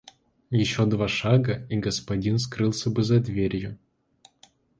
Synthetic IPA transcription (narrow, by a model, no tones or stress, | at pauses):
jɪɕːod̪vaʂaɡəiɡəspɐdʲinskɾɨlˠsʲəbɨzɐd̪vʲeɾʲjʊ